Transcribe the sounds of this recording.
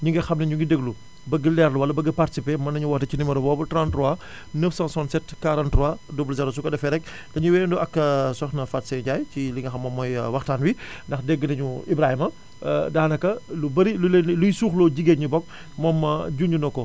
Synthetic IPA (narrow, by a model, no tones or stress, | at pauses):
ɲuŋɡɛxɐmnɐɲuɡidɛɡlu | bɐɡəlɛːɾluwɐlːɐbɐɡɐparti̥sipemɐnːɐɲuwɐtɐcinimɐɾɐbɔːbɐtɾantɾɔa | nəfsãnsɔntsɛtkaɾɐntɾɔadubulzɛɾosukɐdɐfɛɾɛk̚ | dɐɲuwɛːnduʔɐkːɐsɔxnɐfatsɛɟaːjt͡ʃiliŋɡɐxɐmːɔmːɔjwɐxtaːnwindɐxdɛɡːənɐɲuibɾahimɐ̰ | daːnɐkɐlubɐɾilulenlujsuːxlɔɟiɡeɲubɔk̚ | mɔːmːɐɟunɟunɔkɔ